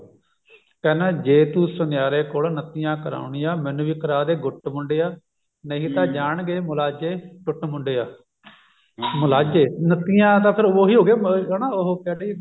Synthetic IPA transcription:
kɛːnẽːd͡ʒeːt̪uːsʊnɪjaːɾeːkoːlnət̪iːjãːkəɾa̰ːʊɳiːjãːmɛ̃ːnũːʋiːkəɾaːd̪eːɡʊʈmʊɳɖeːaː | nəɦĩːt̪ãːd͡ʒaːɳɡeːmʊlaːd͡ʒeːʈʊʈmʊɳɖeːaː | mʊlaːd͡ʒeːnət̪ijãːt̪̬ãːpʰɪɾoːɦiːɦoːɡeːnaːoɦokɛːlei

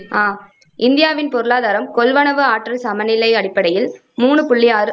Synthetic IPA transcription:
aː | ɪnd̪ɪjaːʋɪnpɔɾɯlaːðaːɾɐmkɔlʋɐnɐʋɯaːʈrɐlsɐmɐnɪlɐɪɐɽɪpːɐɽɐjɪl | muːɳɯpʊɭːɪjaːɾɯ

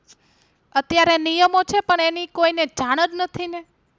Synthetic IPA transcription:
ət̪jaɾenijəmot͡ʃʰepəɳenikoined͡ʒaɽ̃əd͡ʒnət̪ʰine

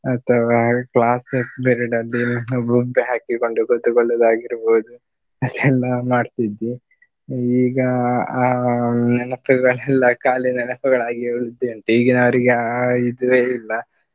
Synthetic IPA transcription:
ɐt̪ʰɐʋakɭaːsɐkbɛɾɛɖɐlːibubːeɦaːkiko̞ɳɖukut̪ːukoɭːɐd̪aːɡiɾboːd̪u | ɐd̪ɛlːɐmaːɖt̪id̪ːi | iːɡɐ | nɐnɐpɐɡɐɭɛlːɐkaːlinɐnɐpɐɡɐɭaːɡiuɭid̪eɐnt̪eiːɡinɐʋɐɾiɡeid̪ʋeːilːɐ

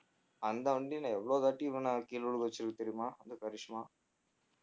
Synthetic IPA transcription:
ɐnd̪aɐɳɖinaːʋɛʋːɐɭoːd̪aːʈiʋɐnːɐkiːluɭuɡot͡ʃːiɾɡut̪ːiɾimaːɐnd̪ukɐɾiʂmaː

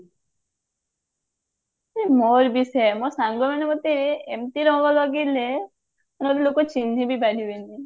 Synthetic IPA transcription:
emoɾbisɛmosaŋɡɔmanemot̪eemt̪iɾɔŋɡɔlɔɡile | nmoɾilokɔt͡ʃind̪ʱibibaɾʱibeni

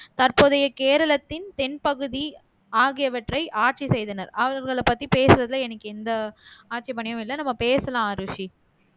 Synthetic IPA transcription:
t̪ɐɾpoːðɐjɐkeːɾɐlɐt̪ːɪnt̪ɛnpɐɣɯði | aːɣɪjɐʋɐʈrɐɪʔaːʈ̚t͡ʃisɛjðɐnɐɾɐʋɐɾɣɐɭɐpːɐt̪ːipeːsɯɾɐðɪlɐɛnɐkːɯɛnd̪ɐaːʈ̚t͡ʃɛp̬ɐɳɪjɐ̃mɪlːɐnɐmːɐpeːsɐlãːɾɯʂi

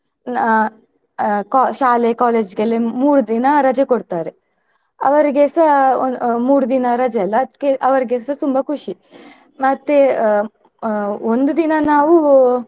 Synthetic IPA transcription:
kaʃaːlekaːleːd͡ʒɡɐlːemuːɾud̪inɐɾɐd͡ʒekoɽt̪aːɾe | ɐ̰ʋɐɾiɡesɐ | muːɾud̪inɐɾɐd͡ʒɐlːɐt̪keʔɐʋɐɾɡesɐt̪umbɐkʰuʂi | mɐt̪ːe | ond̪ud̪inɐnaːʋu

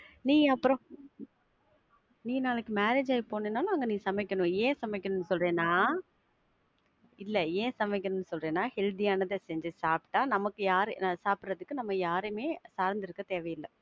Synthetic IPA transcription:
nĩːɐpːɯɾɔ̃ | nĩːnaːlɐkːɯmaːɾeːd͡ʒaːjpoːnɯnːaːlɐɐŋɡɐnĩːsɐmɛkːɐnʊ̃ẽːsɐmɛkːɐnʊnːɯsɔlɾẽːnːaː | ɪlːɛẽːsɐmɛɪkːɐnʊmnːɯsɔlɾẽːnːaːhɛɻd̪ijaːnɐðɯsɛɲd͡ʒɯsaːpʈːaːnɐmɐkːɯjaːɾnaːsaːpɾɐðɯkːɯnɐmːɐjaːɾɯmeːsaːɾnd̪ɪɾɯkːɐt̪eːʋɐjɪlːɐ

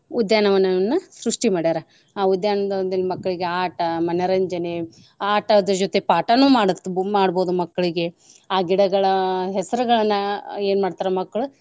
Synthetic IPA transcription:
ud̪jaːnɐʋɐnːɐnːɐsɾuʂʈimaːɽiaːɾɐ | aːud̪jaːnɐd̪ɐd̪ɐlːimɐkːɐɭiɡeaːʈɐmɐnɐɾɐɲd͡ʒɐne | aːʈɐd̪ɐd͡ʒot̪e̞paːʈɐnuːmaːɽt̪ːmaːɽbo̞ːd̪umɐkːɐɭiɡe̞ | aːɡiɽɐɡɐɭɐɦɛsɐɾuɡɐɭɐnːɐeːnmaːɖt̪aːɾɐmɐkːɐɭu

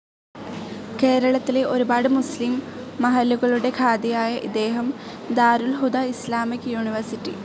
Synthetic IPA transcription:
ke̞ːɾɐɭɐt̪ːileʔo̞ɾubaːɽɨmuslimː | ɐɦɐlːuɣɐɭuɽe̞kʰaːd̪ijaːjɐʔḭd̪e̞ːɦɐm | d̪aːɾulɦud̪aːislaːmikːjuːɳiʋɐrsitːḭ

